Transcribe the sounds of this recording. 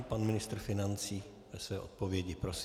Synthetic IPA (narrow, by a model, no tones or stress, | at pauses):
panmɪnɪst̪ɾ̩fɪnant͡siː | vɛsvɛːʔo̞̰t̪̚povjɛɟɪpɾos